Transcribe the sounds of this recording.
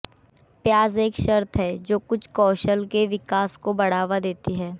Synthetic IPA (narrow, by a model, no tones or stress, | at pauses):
pjaːzeːkʃɐɾt̪ʰɦɛːd͡ʒoːkʊt͡ʃʰkɔːʃəlkeʋɪkaːskobɐɽ̤aːʋad̪eːt̪iɦɛː